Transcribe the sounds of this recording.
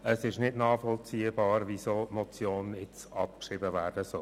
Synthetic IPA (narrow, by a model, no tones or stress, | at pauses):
əsɪʃnɪdnɑːfɔlt͡siːəbɑːɾʋisoːtmɔt͡sjoːnɪt͡sɑp̚kʃɾɪbəvæːɾdəsœl